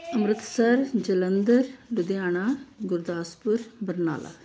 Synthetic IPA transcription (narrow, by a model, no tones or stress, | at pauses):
əmɾɪt̪səɾd͡ʒələnd̪əɾlʊd̪ejaːɳaːɡʊɾd̪aːspʊɾbəɾna̰ːlʔa̰ː